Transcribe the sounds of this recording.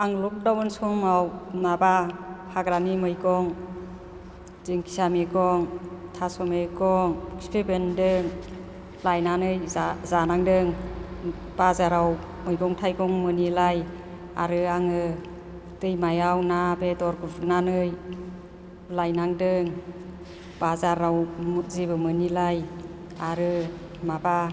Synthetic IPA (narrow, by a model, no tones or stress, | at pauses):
aŋluk̚dawɯnsumawnabapʰaɡɾanimɯjɡɔŋ | zɯŋkʰi̥sameɡɔŋtʰasɔmeɡɔŋi̥spʰebendɯŋ | lajnanɯjzanaŋdɯŋ | b̥azaɾaw | mɯjɡɔŋtʰajɡɔŋmɯnilaj | a̰ɾɯaŋɯ | tɯjmajawnabedɔɾkɯvnanɯj | lajnaŋdɯŋ | b̥azaɾawmzibɯmɯnilaj | aɾɯ | maba